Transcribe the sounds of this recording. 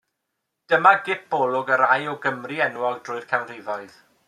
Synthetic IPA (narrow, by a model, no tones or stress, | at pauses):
d̥əmaɡɪp̚bɔlˠʊɡəɾajɔɡəmriɛnwɔlˠdrʊɨr̥kʰawnrɪvɔɨð